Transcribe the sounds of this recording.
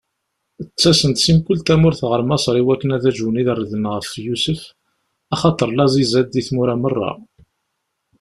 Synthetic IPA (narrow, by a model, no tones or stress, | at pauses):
ət͡sːæsənt̪simkʊlt̪æmʊɾθʁəɾmɑsˤɾˤiwækːənæðæʒwəniðərːəðənʁəfjusəf | ɑχɑt̪ˤəɾˤlɑzizæd̪ːiθmuɾæmərˤːɑ̰